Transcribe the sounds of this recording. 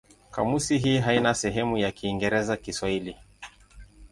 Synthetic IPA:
ka̰musiɦiːɦainasɛɦɛmujakiːŋɡɛɾɛzakiswaili

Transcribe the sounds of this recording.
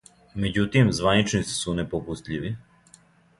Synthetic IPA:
me̞d͡ʑut̪imzʋanit͡ʃnisi̥sunepopust̪ʎʲiʋi

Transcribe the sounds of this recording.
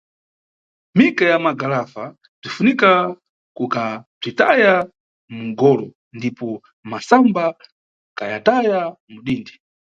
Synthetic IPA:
mikajamaɡalafa | b͡ʐifunika | kukab͡ʐitaja | muŋɡɔlɔ | ndipɔ | masamba | kajatajamuɗiːndi

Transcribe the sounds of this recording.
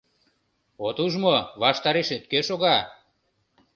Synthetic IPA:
ot̪uʒmoβɑʃt̪ɑɾeʃet̪̚køʃoɣɑ

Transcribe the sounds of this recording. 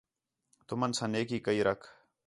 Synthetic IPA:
t̪ʊmənsɐ̃neːkiːkəiːɾɐkʰ

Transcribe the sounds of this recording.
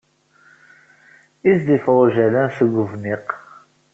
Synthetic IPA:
izd̪ifɾˤʒælænθəɡʷʊvniq

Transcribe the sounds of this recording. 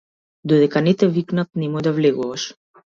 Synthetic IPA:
d̪ɔd̪ɛkanɛt̪ɛviknat̪̚nɛmɔd̪avlɛɡuvaʃ

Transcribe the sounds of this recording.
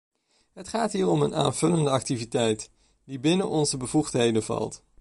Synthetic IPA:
ɦətχaːtɦiːɹɔməna̰ːnv̥ɵləndəɑk̚tivitɛjt | dibɪnənʔɔnzəbəv̥uχtɦejdənvɑ̰lˠt

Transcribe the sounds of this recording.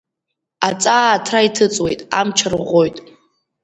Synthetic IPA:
at͡sʼaːtʰraitʰɨt͡sʼwe̞jtʼa̰mt͡ʃʰɨrʁʷo̞jtʼ

